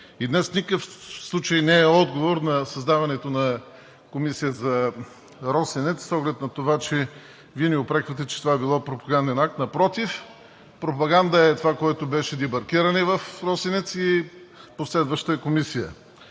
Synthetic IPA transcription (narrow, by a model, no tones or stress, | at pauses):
id̪nɛsnʲikəfslˠut͡ʃəjnɛɛɔd̪ɡovoɾnɐsɐzd̪avɐnɛt̪onɐ | komisijəzɐ | ɾɔsinɛt̪sɔɡlɛt̪nɐt̪ovat͡ʃɛ | viəniʊpɾɛkvət̪ɛt͡ʃɛ̥t̪ovaɛbilˠɔpɾopɐɡand̪ɛnak̚t̪nɐpɾɔt̪if | pɾopɐɡand̪əɛt̪ovakoɛt̪obɛʃɛd̪ibɐɾk̟iɾɐnɛvɐfɾɔsinɛt̪si | poslɛd̪vəʃt̪əəkomisijə̰